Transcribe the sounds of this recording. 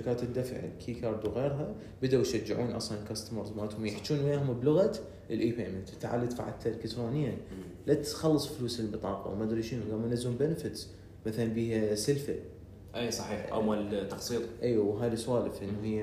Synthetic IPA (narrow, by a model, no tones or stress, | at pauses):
akaːt̪ɪd̪ːafʕlkʰiːkɑːɾˤd̪uɣeːɾɦa | bɪd̪awjʃad͡ʒːɪʕuːnʔɑ̰sˤlɑnkast̪mɑɾˤðˤmaːt̪hʊmjɪħt͡ʃːuːnwjaːhʊmblʊɣat̪ | ɪlʔiːpeːmɪnt̪t̪ːaʕa̰lːat̪fa̰ʕa̰t̪ʰːalkat̪ɾoːnɪjːan | lat̪xɑlːɨsˤfluːsɪlbɨt̪ˤɑːqɑ̰wmad̪ɾiːʃiːnɡamːanɪzhʊmbɪnfɪt̪s | maθalanbiːhasɪlfɪ̰l | ʔeːsˤɑħiːħʔa̰malt̪ːɑqsˤiːt̪ˤʔiːwawɦaːliswaːlɪfʔɪnːhɪjː